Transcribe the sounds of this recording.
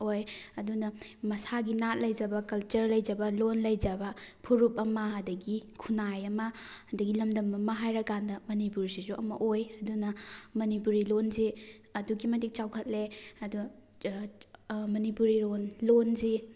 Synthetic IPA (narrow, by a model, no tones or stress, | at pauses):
ojɐdunɐmɐsaɡinat̚lɐjd͡ʒɐbɐkɐlt͡ʃɐɾlɐjd͡ʒɐbɐlonlɐjd͡ʒɐbɐpʰuɾupɐmɐɦɐdɐɡikʰunajɐmɐhɐdɐɡilɐmdɐmɐmɐɦajɾɐkandɐmɐnipuɾsizuʔɐmɐ̰ʔojɐdunɐmɐnip̬uɾilonzi | ɐduɡimɐtik̚t͡ʃawkʰɐt̚leɐdu | mɐnipuɾilonlonzi